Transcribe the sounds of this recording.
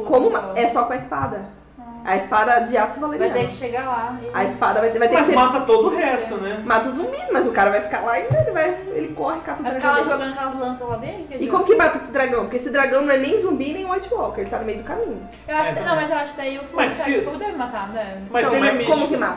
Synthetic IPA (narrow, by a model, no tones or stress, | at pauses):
kõmʊmaɛsɔkõɐɪspad̪ɐ | ɐespad̪ɐd͡ʒɪasʊvaleɾiad̪ɛvɪʃeɡalaɐespad̪ɐvaj̪vajt̪ekɪsemat̪ɐt̪od̪ʊʊhɛst̪ʊnɛmat̪ɐʊzũmbismɐzʊkaɾɐvajfi̥kalaẽd̪ɐ̃welɪvaj | ḛlɪkɔhɪkat̪od̪ɐɾaɡkɛlɐʒoɡɐ̃nd̪ɐkɛlɐzlɐ̃sɐ̃lad̪elɪkɪkõmʊkɪmat̪ɐesɪd̪ɾaɡɐ̃w̃poɾkeesɪd̪ɾaɡɐ̃w̃nɐ̃w̃ɛnẽj̃zũmbinẽj̃ũajt͡ʃɪwɔwkɪɾelɪt̪anʊmejʊd̪ʊkamĩɲʊ | ewaʃkɪnɐ̃w̃mɐzewaʃʊkɪd̪aiʊkmɐsisd̪ɛɾ̃mat̪anɛmɐɐ̃mikõmʊkɪmat̪ɐ